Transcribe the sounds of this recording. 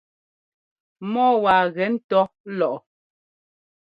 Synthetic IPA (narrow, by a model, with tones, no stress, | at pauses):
mɔː˦wa˨ɣɛ˨˦n̩˦tɔ˦ | lɔ˨ʔɔ˨